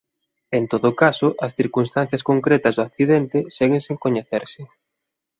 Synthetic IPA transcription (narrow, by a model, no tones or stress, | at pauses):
ent̪oðokasoʔɐsθiɾkunst̪an̟θjɐskoŋkɾɛt̪ɐzðoak̚θiðɛnt̪ɪsɛɣẽŋseŋkoɲeθeɾsɪ